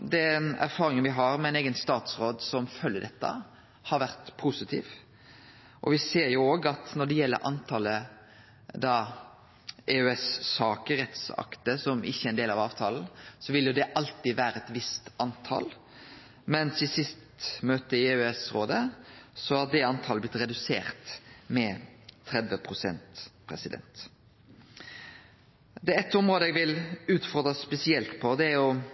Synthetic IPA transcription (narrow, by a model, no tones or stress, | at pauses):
d̪ɛnæ̰ɾfɑːɾɪŋənʋɪɦɑɾmɛɪneːɡənst̪ɑːt̪sɾoːd̪sɔmfœlːəɖɛt̪ːə̰ | hɑɾʋæʁt̪pʰusɪt̪ʰḭːʋ | ʔɔ̰ʋɪseːɾjʊoːɡɑt̪nɔɖɛjɛlːə̰ɾʔɑ̰nt̪ʰɑlə | d̪ɑː | eʉɛsːɑːkəɾɛt̪sɑ̰kt̪əsɔmʔɪçːəæɾɛnd̪eːlɑʋɑ̰ːʋt̪ʰɑːln̩sɔʋɪlːjʊd̪ɛʔɑlt̪iʋæːɾəɛt̪ʋɪst̪ɑnt̪ʰɑ̰ːl | mɛnsɪsɪst̪møːt̪əɪeʉɛsɾoːd̪əsɔhɑd̪ɛɑnt̪ʰɑːləblɪt̪ɾɛd̪ʉsḛːɾt̪mɛt̪ʰɾɛd̪ʋəpʰɾʊsɛnt̪pʰɾɛ̰sɪd̪ɛ̰nt̪ | d̪ɛɛt̪ːʊmɾoːd̪əɛɡʋɪlʉːt̪fɔɾd̪ɾəspɛsɪɛlt̪pʰɔd̪ɛæɾjʊ